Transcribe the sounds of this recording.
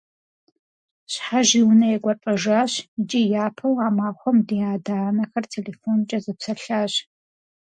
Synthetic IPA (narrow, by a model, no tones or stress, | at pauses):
ɕħaʒiwnɐjɛɡʷɔʈ͡ʂʼɐʒaːɕd͡ʒʼijaːpʰɐwaːmaːχʷɔmdijaːdaːnɐxɐrtʰeːleːfont͡ʃʼɐzɨpsɐɬaːɕ